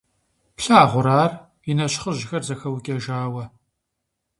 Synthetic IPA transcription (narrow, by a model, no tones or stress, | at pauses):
pɬaːʁʷʊɾaːr | inɐɕχəʒɪxɐrzɐxɐwkʲʼɐʒaːwɐ